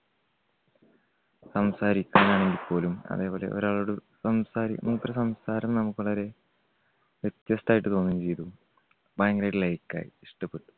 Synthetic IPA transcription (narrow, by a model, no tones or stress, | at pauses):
sɐmsaːɾikʲːɐnaːɳeŋɡipʰːo̞ːlumɐ̰ðe̞ːbo̞ːle̞̰ʔo̰ɾaːɭuɽusɐmsaːɾḭmuŋːɐpɐɾsɐmsaːɾɐmnɐmukːɨʋɐɭɐɾe̞ | ʋet̪jɐsʈaːjiʈːɨt̪oːnːumːt͡ɕe̞jt̪uu | baːjŋɡreːɖilɐjkːa̰ːjḭiʂʈɐpːe̞ʈːu̥